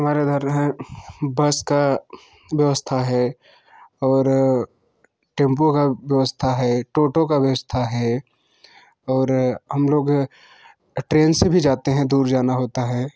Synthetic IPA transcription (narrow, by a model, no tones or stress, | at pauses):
ɦɐmaːɾed̪ʱəɾɦẽbɐska | ʋjɐʋəst̪ʰaɦɛː | ɔːɾ | ʈẽːmpokaʋjəʋəst̪ʰaɦɛːʈoːʈokaʋjɐʋəst̪ʰaɦɛ | ɔːɾɦɐmloːɡ | ʈɾeːnsebʱid͡ʒaːt̪eɦɛ̃d̪uːɾd͡ʒaːnaɦoːt̪aɦɛː